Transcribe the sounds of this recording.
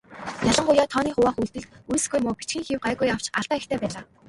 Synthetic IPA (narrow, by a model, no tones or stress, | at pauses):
jaɮə̆ɴɢʊjaːt̪ʰɔːniːχʊwaːχujɮt̪ɘ̆ɮt̪̚ujsɡujmʊːpi̥t͡ɕɡĭːŋxiwɢæːɣujaw̥t͡ɕaɮt̪aːext̪ʰeːpæːɮaː